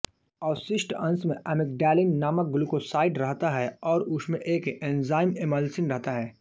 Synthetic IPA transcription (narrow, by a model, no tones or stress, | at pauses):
aːsɪʃʈɐ̃nsmẽʔɐmek̚ɖɛːlɪ̃ŋɡnaːmək̚ɡʊlukosaːɪɖɾɐɦt̪aɦɛɔːɾʊsmẽʔeːkẽnzaːɪmeməlsɪnɾɐɦt̪aɦɛː